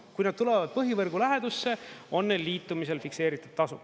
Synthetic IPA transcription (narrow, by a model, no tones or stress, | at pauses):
kujnɑd̪̥̚t̪ule̞vɑd̪̚pɤɦivɤrɡulæɦe̞d̪usːe̞o̞nːelːiːt̪ːˑumise̞lfikse̞ːɾit̪ːˑud̪̥t̪ɑsu